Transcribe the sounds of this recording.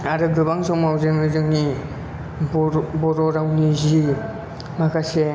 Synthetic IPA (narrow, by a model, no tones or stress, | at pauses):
aɾɯɡɯbaŋzɔŋmawzɯŋɯzɯŋni | bɔɾɔɾawnizi | makʰase